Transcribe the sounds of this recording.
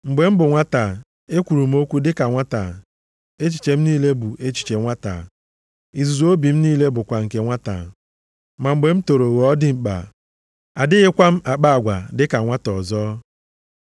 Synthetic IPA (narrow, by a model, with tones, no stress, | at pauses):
ŋ͡m̩˨ɡ͡be˨m̩˦bʊ˨ŋʷa˦ta˨ | e˦kʷu˨ɾu˨m̩˦o˦kʷu˦dɪ˦ka˨ŋʷa˦ta˨ | e˦t͡ʃi̥˨t͡ʃe˨m̩˦niː˦le˦bu˨ʔe˦t͡ʃi̥˨t͡ʃe˨ŋʷa˦ta̰˨ | i˨zu˨zo˦bi˨m̩˦niː˦le˦bʊ˨kʷa˨ŋ̩˨ke˨ŋʷa˦ta̰˨ | ma˨m̩˨ɡ͡be˨m̩˦to˨ɾo˨ɣɔ˦dɪ˦ŋ͡m̩˨k͡pa̰˨ | a˨dɪ˦ɣɪ˦kʷa˦m̩˦ʔa˨k͡pa˦a˨ɡʷa˨dɪ˦ka˨ŋʷa˦tɔ˨zɔː˦